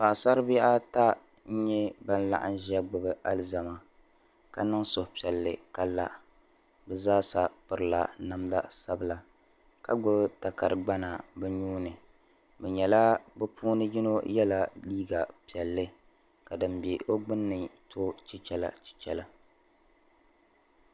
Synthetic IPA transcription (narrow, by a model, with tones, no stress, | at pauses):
pa˨ʔsa˦ɾɨ˦bʔa˦ta˦ | n̩˦ɲɛ˦ba˦n˦la̰˦˨ʔa̰˦n˦ʒɛ˦ɡ͡bʊ˨bɨ˨a˦lɨ˦za˨ma˨ | ka˨nɨ˦ŋso˨pi˨ɛ˨lːɨ˨ka˦la̰˦ | bɛ˦zaː˦sa˨pɨ˨ɾɨ˦˨la̰˨na˨mla̰˦sa˦bɨ˦la˨ | ka˦ɡ͡bʊ˦bta˨ka˨ɾɨ˨ɡ͡ba˦na˨bɛ˦ɲuː˦nɨ˨ | bɛ˨ɲɛ˨la˦bɛ˦puː˦nɨ˦ji˦no˦jɛ˦la˨liː˦ɡa˨pi˨ɛ˨lːɨ˦ | ka˨dɨ˨mbe˨o˦ɡ͡bɨ˦nːɨ˨tʰo˦t͡ʃi˦t͡ʃɛ˦la̰˨t͡ʃi̥˦t͡ʃɛ˦la˦